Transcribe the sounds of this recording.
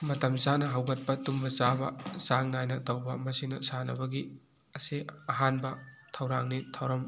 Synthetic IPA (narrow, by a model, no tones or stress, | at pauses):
mɐtɐmzanɐɦɐwɡɐt̚pɐtumbɐzabɐ̰zaŋnajnɐtɐwbɐmɐsinɐsanɐ̰bɐɡi | ɐsiɐɦanbɐtʰɐwɾaŋnitʰɐwɾɐm